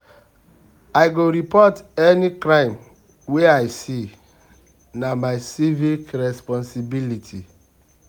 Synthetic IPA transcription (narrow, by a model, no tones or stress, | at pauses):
aɪɡoɾipɔtɛnikɾãɪ̃m | weaɪsi | namaɪsivikɾɛspɔ̃nsibilitʰi